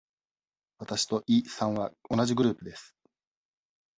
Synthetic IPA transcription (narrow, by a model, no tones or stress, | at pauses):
βat̪aɕi̥t̪o̞ʔisãɰ̃βao̞naʑiɡɯ̟ɾɯ̟ːpɯ̟d̪e̞sɨ̥